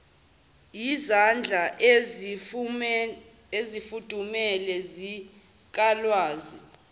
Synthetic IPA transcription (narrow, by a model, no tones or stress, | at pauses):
jizand͡ɮʱa | ezifud̥ʱumɛlɛzi | k̬ʼalwaːzi